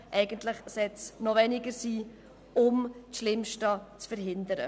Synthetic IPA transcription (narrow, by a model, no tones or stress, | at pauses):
ʔɛɪɡ̥əntlɪχsɛt͡snɔvɛnɪɡəɾsiː | ʊmtʃlɪmʃtɑt͡sfəɾɦɪnd̪əɾə̰